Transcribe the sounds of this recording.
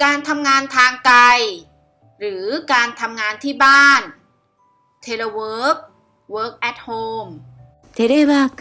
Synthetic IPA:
kaː˧nt̪ʰa˧mŋaː˧nt̪ʰaː˧ŋka˧j | ɾɯː˩˦kaː˧nt̪ʰa˧mŋaː˧nt̪ʰiː˥˩baː˥˩n | t̪ʰeː˧laː˧wɤː˦˥k̚ | wɤː˦˥k̚ʔɛ˦˥t̪̚hoː˧m | t̪ʰɛ˨˦daː˥˩jwaː˥˩

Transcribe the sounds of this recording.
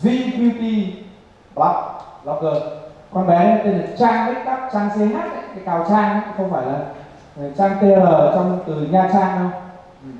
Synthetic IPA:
zi˧tu˧t̪i˧ | blɔ˨˦p̚lɔ˨˧kɨ˨˩ək̚kɔ˧nɓɛ˨˦la˨˦t̪e˧nlə˨˩t͡ɕaː˧ŋɗi˦˥t̚ɗa˦˥p̚t͡ɕaː˧ŋse˨˧˦naː˦˥k̚a˧˦˥k̪ʰa˨˦kaː˨˩wt͡ɕaː˧ŋa˧˦˨xə˧wŋ͡mfaː˧˩jlaː˨˩ | ŋ˨˩t͡ɕaː˧ŋt̪e˧ləː˨˩t͡ɕɔ˧wŋ͡mt̪ɨ˨˩ɲaː˧˩t͡ɕaː˧ŋɗə˧w | ʔ̩˨˩

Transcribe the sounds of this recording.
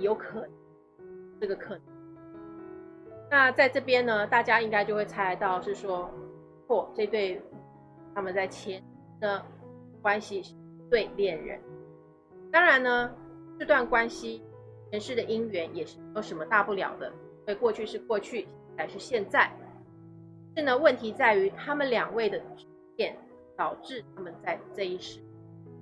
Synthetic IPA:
jo˧˥ʊkʰɤ˨˩nɤ˧˥ŋ | ɤ˥˩ɡə˩kʰɤ˨˩nɤ˧˦ŋ | na˥˧t͡sa˥˧ɪʈ͡ʂɤ˥˩pjɛ˥nnə˧t̪a˥˩t͡ɕja˥i˥ŋka˥ɪt͡ɕjo˥˧ʊxwe˥˩ɪt͡sʰa˧˥˧ɪ˧t̪ɑ˥˧ʊʂɻ̩˥˩ʂwɔ˥ | kʰwɔ˥˩ʈ͡ʂɪ˧t̪we˥˩ɪ | t̪ʰa˥mə˨nt͡sa˥˩ɪt͡ɕʰjɛ˧˥n˧˥d̪ə˧ | kwa˥nɕi˧ʂɻ̩˥˩˥t̪we˥˧ɪljɛ˥˩nɻə̰˧˥n | t̪ɑ˥ŋɻa˧˥nnə˧ | ʂ̩˥˧t̪wa˥˩nkwa˥nɕi˥ | t͡ɕʰjɛ˧˥nʂɻ̩˥˩d̪ə˩ʔi˥ŋɥɛ˧˥njɛ˨˩ʂɻ̩˥˩me˧˥jo˧˥ʂə˧˥mə˧t̪a˥˧pu˥˩ljɑ˨˩ʊd̪ə˦˥we˥˧ɪkwɔ˥˧t͡ɕʰy˥˧ʂɻ̩˥˧kwɔ˥˧t͡ɕʰy˥˩ɕt͡sa˥ɪʂɻ̩˥˧ɕjɛ˥˧nt͡sa˥˩ɪ | ʂɻ̩˥˩nə˩wə˥˩nt̪ʰi˧˥t͡sa˥˩ɪy˧˥t̪ʰa˥mə˨nljɑ˨˩ŋwe˥˩ɪd̪ə˩ʈ͡ʂ̩˧˥t͡ɕjɛ˥˩n | t̪ɑ˨˩ʊʈ͡ʂɻ̩˥˩t̪ʰa˥mə˨nt͡sa˥˧ɪʈ͡ʂɤ˥˧i˥˩ʂɻ̩˥˩

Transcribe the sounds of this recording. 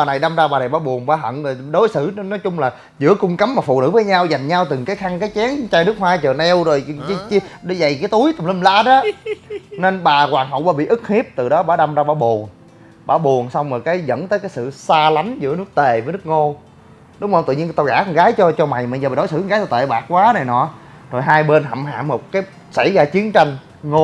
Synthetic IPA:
aː˨˩na˨˩jɗa˧mzaː˧ɓaː˨˩na˨˩jɓaː˨˦ɓu˨˩ənɓaː˨˧˦ɦə̰˧˨nzo˨˩jɗo˨˦jsɨ˧˩˦nɔ˨˦jt͡ɕʊ˧ŋ͡mlaː˨˩ | zɨ̰˧˥əkʊ˧ŋ͡mkə˨˦mːaː˨˩fṵ˧˨nɨ̰˧˥vəː˨˦jɲaː˧wza˨˩jŋ̟ɲaː˧wt̪ɨ˨˩ŋkaː˨˦jxa˧ŋkaː˨˦jt͡ɕɛ˨˦ənt͡ɕaː˧jnɨ˦˥k̚hwaː˧t͡ɕəː˨˩nɛ˧wzo˨˩jt͡ɕɗza˨˩jkaː˨˦jt̪u˨˦əjt̪ə˨˩ŋ͡mlə˧mlaː˧˦ɗɔ˨˦ | ne˧nɓaː˨˩kwaː˨˩nɦə̰˨˧˨wɓaː˧˦ɓḭ˧˨ʔɨ˦˥k̚hi˦˥p̚t̪ɨ˨˩ɗɔ˨˦ɓaː˧˦ɗa˧mzaː˧ɓaː˧˦ɓu˨˩əŋ | ɓaː˧˩wɓu˨˩əŋsa˧wŋ͡mməː˨˩kaː˨˦jzə̰˧˥nt̪əː˨˦kaː˨˦jsɨ̰˧˨saː˧la˨˦jŋ̟zɨ̰˧˥ənɨ˦˥ək̚t̪e˨˩vəː˨˦nɨ˦˥k̚ŋo˧ | ɗʊ˨˦ŋ͡mzo˧˩t̪ɨ̰˧˨ɲi˧nt̪a˧˩ɣaː˧˩kŋɣaː˨˦jt͡ɕɔ˧t͡ɕɔ˧ma˨˩jma˨˩jːɗo˨˦jsɨ̰˧˥˧ŋaː˨˦jt̪o˧˩t̪ḛː˧˨ɓaː˨˩k̚kwaː˨˦na˨˩jnɔ̰˧˨˦zo˨˩jɦaː˧jɓe˧nɦa̰˧˨mha̰ː˧˨nmo˨˩t̚kaː˨˦j | sa˧˩jzaː˧t͡ɕi˨˦ənt͡ɕa˧jŋ̟ | ŋo˧

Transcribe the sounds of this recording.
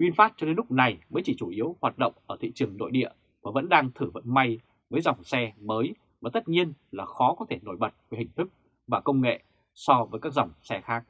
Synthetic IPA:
ʔwi˧ənfaː˦˥t̚t͡ɕɔ˧ɗe˨˦nlʊ˦˥k͡p̚na˨˩jməː˨˦jt͡ɕi˧˩t͡ɕu˧˩ʔi˨˦əwhwaː˨˩t̚ɗə̰˧˨wŋ͡mʔəː˧˩t̪ʰḭ˧˨t͡ɕɨ˨˩əŋno̰˧˨jɗḭ˧˨ə | vaː˨˩və̰˧˥nɗaː˧ŋt̪ʰɨ˧˩və̰˧˨nma˧j | vəː˨˦jza˨˩wŋ͡msɛ˧məː˨˦j | vaː˨˩t̪ə˦˥t̚ɲi˧ənlaː˨˩xɔ˨˦kɔ˨˦t̪ʰe˧˩no˧˩jɓə˨˩t̚vəː˨˦jhï˨˩ŋ̟t̪ʰɨ˦˥k̚ | vaː˨˩kə˧wŋ͡mŋḛ˧˨ | sɔ˧vəː˨˦jkaː˦˥k̚za˨˩wŋ͡msɛ˧xaː˦˥k̚

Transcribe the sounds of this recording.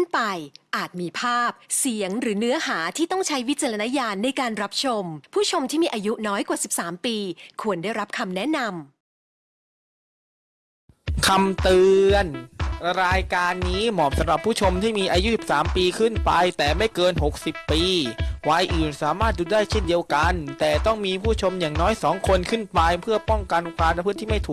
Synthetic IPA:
ɯ˥˩npa˧jʔaː˨˩t̪̚miː˧pʰaː˥˩p̚si˨˩˦əŋɾɯː˩˦nɯ˦˥ɐɦaː˩˦t̪ʰiː˥˩t̪ɔ˥˩ŋt͡ɕʰa˦˥jwi˦˥t̪̚t͡ɕa˧ɾa˧na˦˥jaː˧nːa˧jkaː˧nɾa˦˥p̚t͡ɕʰo˧mpʰuː˥˩t͡ɕʰo˧mt̪ʰiː˥˩miː˧ʔaː˧ju˦˥nɔː˦˥jkwaː˨˩si˨˩p̚saː˩˦mpiː˧kʰu˧əndaː˥˩jɾa˦˥p̚kʰa˧mnɛ˦˥na˧m | kʰa˧mt̪ɯː˧ənɾaː˧jkaː˧nːiː˦˥mɔː˨˩p̚sa˨˦mɾa˨˩pʰːuː˥˩t͡ɕʰo˧mt̪ʰiː˥˩miː˧ʔaː˧ju˦˥si˨˩p̚saː˩˦mpiː˧kʰɯ˥˩npa˧jt̪ɛː˨˩ma˥˩jkɤː˧nɦo˨˩k̚si˨˩pːiː˧waː˧jʔɯː˨˩nsaː˩˦maː˥˩t̪̚duː˧˩daː˥˩jt͡ɕʰe˥˩ndi˧əwka˧nt̪ɛː˨˩t̪ɔ˥˩ŋmiː˧pʰuː˥˩t͡ɕʰo˧mjaː˨˩ŋnɔː˦˥jsɔː˩˦ŋkʰo˧nkʰɯ˥˩npa˧jpʰɯ˥˩ɐpɔ˥˩ŋka˧n˧kaː˧nɾa˧pʰɯ˥˩˨t̪iː˥˩ma˥˩jt̪ʰuː˨˩

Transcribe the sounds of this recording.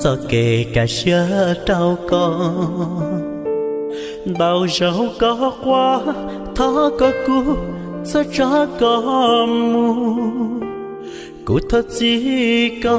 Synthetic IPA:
sɔ˧˩ke˨˩ka˨˩jsə˧˦ə˨˧˦ta˧wkɔ˧ | ɗa˨˩wzə˨wkɔ˧˦kwaː˧ | t̪ʰɔ˧˦kɔ˨˦ku˧˦ | sɔ˧˦t͡ɕɔ˧˦kɔ˧˦mu˧ | kṵ˨˦t̪ʰə˦t̚zi˧kɔ˧

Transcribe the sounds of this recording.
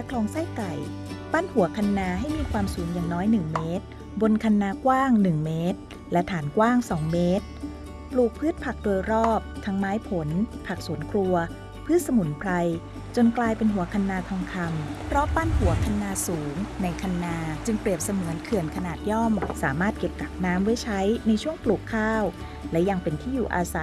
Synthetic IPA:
lɛ˦˥kʰlɔː˧ŋsa˥˩jka˨˩j | pa˥˩˨nhu˨˩˦ɐkʰa˧nːaː˧ɦa˥˩jmiː˧kʰwaː˧msuː˩˦ŋjaː˨˩ŋnɔː˦˥jnɯ˨˩ŋmeː˦˥t̪̚ | bo˧nkʰa˧nːaː˧kwaː˥˩ŋnɯ˨˩ŋmeː˦˥t̪̚ | lɛ˦˥t̪ʰaː˩˦nkwaː˥˩ŋsɔː˩˦ŋmeː˦˥t̪̚ | pluː˨˩k̚pʰɯː˥˩t̪̚pʰa˨˩k̚du˧əjɾɔː˥˩p̚t̪ʰa˧˥ŋmaː˦˥jpʰo˩˦npʰa˨˩k̚su˨˩˦ənkʰɾu˧ɐ | pʰɯː˥˩t̪̚sa˧mu˩˦npʰɾa˧j | t͡ɕo˧nklaː˧jpe˧nɦu˨˩˦ɐkʰa˧nːaː˧t̪ʰa˧mkʰa˧mpʰɾɔ˦˥pa˧˥nhu˨˩˦ɐkʰa˧nːaː˧suː˩˦ŋna˧jkʰa˧nːaː˧t͡ɕɯ˧ŋpɾi˨˩əp̚sa˧mɯ˨˩˦ənkʰɯ˨˩ənkʰa˧naː˨˩t̪̚jɔ˥˩msaː˩˦maː˥˩t̪̚ke˨˩p̚ka˨˩p̚naː˦˥mwɯ˥˩jt͡ɕʰa˦˥jna˧jt͡ɕʰu˥˩əŋpluː˨˩kʰːaː˥˩w | lɛ˦˥ja˧ŋpe˧nt̪ʰiː˥˩juː˨˩ʔaː˧sa˨˩˦

